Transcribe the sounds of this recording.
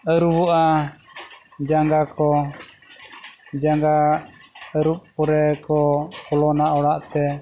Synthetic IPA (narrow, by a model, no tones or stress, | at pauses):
əɾuwɔʔa | d͡ʒaŋɡakʰɔ | d͡ʒaŋɡa | əɾuʔpːuɾɛkɔkɔlɔnaɔɽaʔt̪ɛ